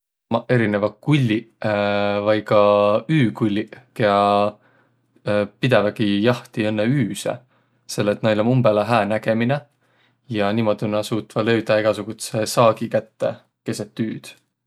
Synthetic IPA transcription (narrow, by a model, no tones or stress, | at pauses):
ɑe̞ɾinevɑkulʲːi | vɑjkɑyːkulʲːikeɑ | pid̪evɑɡ̥ijɑht̪iɤnːeyːsḛ | se̞lːet̪ːˑnɑjlomumbeleɦæːnæɡ̥e̞mine | jɑniːmo̞d̪̥inɑsuːt̪ːˑvɑlø̞ɥd̪̥ɑeɡ̥ɑsuɡ̥ut̪sesɑːɡ̥ikæt̪ːe̞̰ | ke̞set̪ːyːd̪̥